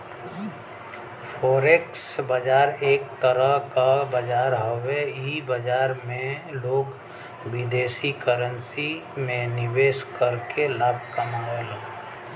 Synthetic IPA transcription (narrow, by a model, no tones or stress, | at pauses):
pʰoːɾeksbəd͡ʒaːɾeːk̚t̪əɾəɦkabəd͡ʒaːɾɦoweibəd͡ʒaːɾmẽloːɡ | bɪd̪eːsikəɾənsimẽnɪʋeːskəɾkelaːb̚ʱkəmaɦolɦẽ